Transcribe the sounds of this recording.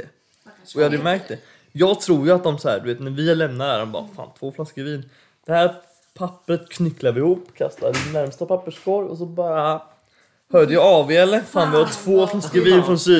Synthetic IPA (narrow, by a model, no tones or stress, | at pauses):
ɔjɑhad̪əjmæɾk̚t̪̚d̪ɛ | jɑːɡt̪ʰɾuːɾjɵat̪̚d̪ɔmsɔhæ̰ːɾɖ̪ɵveːt̪næɾvɪæɭɛmnad̪əæ̰ːɾdɔmbɑ̰ːɾa̰fa̰ːnt̪ʰv̥oːflaskəviːn | d̪̥ɛhæːɾ | pʰapːɾət̪kʰnʏkːlad̪vɪɪhuːpːkʰast̪ad̪ɪnːæɾmst̪apʰapːəʂkʰɔɾjɔ̰s̬ɔbɑːɾa | hœːd̪əjɑɑːveɛlːəfaːnvɪhat̪ʰv̥oːflaskəviːnfɾɔnsyː